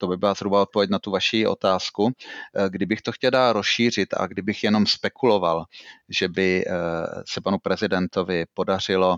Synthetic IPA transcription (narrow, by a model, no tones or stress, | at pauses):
t̪obɪbɪlazɦɾubao̞t̪̚povjɛc̬nat̪uvaʃiʔo̞̰t̪aːskuɡdɪbɪxt̪o̞xcɛldaːɾosʃiːr̝ɪt̪a̰ɡdɪbɪxjɛno̞mspɛkulo̞valʒ̥ɛbɪ | sɛpanupɾɛzɪdɛnt̪ovɪpo̞dar̝̥ɪlo̞